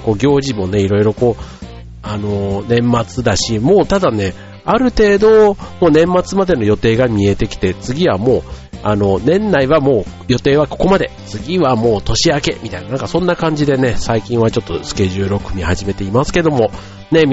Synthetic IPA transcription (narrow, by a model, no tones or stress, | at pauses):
ko̞ɡʲo̞ːʑimo̞ne̞iɾo̞iɾo̞ko̞ː | ano̞nẽ̞mːat͡sɨd̪aɕimo̞ːt̪ad̪ane̞ | aɾɯ̟t̪e̞ːd̪o̞moːnẽ̞mːat͡sɨmad̪e̞no̞jo̞t̪e̞ːɡamʲie̞t̪e̞kʲi̥t̪e̞t͡sɨɡʲiβamo̞ːano̞nẽ̞nːaiβamo̞ː | jo̞t̪e̞ːβako̞̥ko̞mad̪e̞t͡sɨɡʲiβamo̞ːt̪o̞ɕiake̞̰mʲit̪ainanãŋkasõ̞nːakãɲ̟d͡ʑid̪e̞ne̞saikʲĩɰ̃βat͡ɕo̞t̪ːo̞sɨ̥ke̞ʑɨːɾokɯ̟mʲihaʑime̞t̪e̞imasɨ̥ke̞d̪o̞mo̞ | ne̞